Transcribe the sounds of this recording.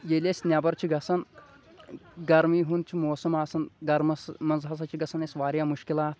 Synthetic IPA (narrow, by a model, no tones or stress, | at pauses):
jelʲesʲnʲɐbɐɾt͡ʃʰiɡɐsɐn | ɡɐɾmiːɦun̚t͡ʃʰimoːsɐmaːsɐnɡɐɾmɐsmɐnzɦɐs̬ɐt͡ʃʰiɡɐsɐnesʋaːɾijaːmuʃkilaːt̪̚